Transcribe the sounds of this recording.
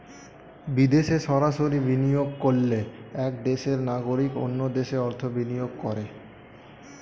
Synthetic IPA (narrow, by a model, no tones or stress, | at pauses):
bid̪eʃeʃɔɾaʃoɾibinijoɡ̚kolːeɛk̚d̪eʃeɾnaɡoɾiko̰nːod̪eʃeɔɾt̪ʰobinijoɡkɔɾe